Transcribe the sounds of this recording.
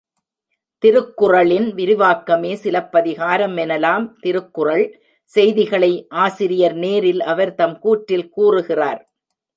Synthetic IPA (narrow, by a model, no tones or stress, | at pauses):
t̪ɪɾɯkːʊrɐɭɪnʋɪɾɪʋaːkːɐmeːsɪlɐpːɐðɪɣaːɾɐmɛnɐlaːmt̪ɪɾɯkːɯrɐɭ | sɛjðɪɣɐɭɐɪʔaːsɪɾɪjɐɾneːɾɪlʔɐʋɐɾt̪ɐmkuːʈːɪlkuːrɯɣɪraːɾ